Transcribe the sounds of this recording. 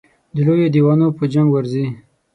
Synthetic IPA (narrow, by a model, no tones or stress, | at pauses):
d̪əlojod̪iwɑnopəd͡ʒamɡwaɾzi